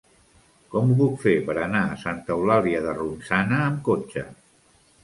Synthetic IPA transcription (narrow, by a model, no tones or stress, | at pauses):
kɔmuβukfepəɾənaəsant̪əulaliəðərunsanəːmkot͡ʃə̰